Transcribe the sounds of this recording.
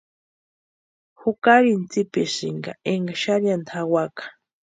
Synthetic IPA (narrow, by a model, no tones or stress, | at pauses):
hukaɾint͡sipɛʃiŋɡaeŋɡaʃaɾjant̪ʰawakḁ